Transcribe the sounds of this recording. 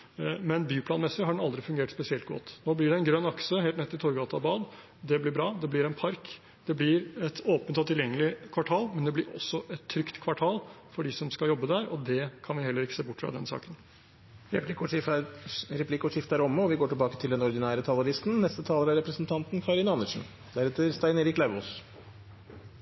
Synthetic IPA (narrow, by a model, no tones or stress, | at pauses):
mɛnbyːpʰlɑːnmɛsːɪɦɑɖɛnɑld̪ɾɪfʉŋɡeːʈspɛsɪɛlt̪̚ɡɔ̰t̪ːnoːblɪɖɛɛnɡɾœnːɑksəɦeːlnɛt̪ːɪt̪ʰɔɾɡɑːt̪ɑbɑːd̪ | d̪ɛblɪbɾɑːd̪ɛblɪɾɛnpʰɑɾk | d̪̥ɛblɪɾɛt̪oːpənt̪ɔt̪ʰɪljɛŋːəlɪkʰʋɑʈʰɑːlmɛnd̪ɛblɪɾɔ̰sːɔʔɛt̪ʰːɾʏkt̪kʰʋɑʈʰɑːl | fɔɖɪsɔmskɑjɔbːəd̪æːɾɔd̪ɛkʰɑnʋɪhɛlːəɾɪkːə̥seːbʊʈːfɾɑ̰d̪ɛnsɑ̰ːkən | ɾɛɪk | ɾɛpʰlɪkːɔʂɪft̪æɾɔmːəɔʋɪɡoːʈɪlbɑːkət̪ʰɪld̪ɛnɔɾd̪ɪnæːɾət̪ʰɑləɾɪst̪n̩nɛst̪ət̪ʰɑːləɾæɾɛpɾəsənt̪ʰɑnt̪nkʰɑɾɪnɑnəʂn̩ | d̪æɾɛt̪ːəɾst̪æɪneːɾɪklæʋɔːs